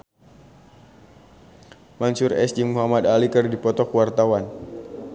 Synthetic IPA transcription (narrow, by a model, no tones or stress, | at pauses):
mansʊrɛ̰sd͡ʒɪŋmuɦamad̪alikərdipɔt̪ɔkwart̪awan